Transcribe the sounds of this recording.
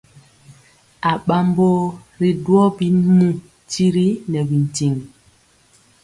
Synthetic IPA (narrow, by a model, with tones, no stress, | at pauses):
a˨ɓa˦mbo˦ | ɾi˨dwɔ˦bi˦nu˦˨ | ti˦ɾi˦nɛ˨bi˨n̩˨ti˨ŋ